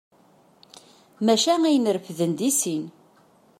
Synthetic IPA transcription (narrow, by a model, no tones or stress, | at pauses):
mæʃæŋæjənəɾəfðənd̪isin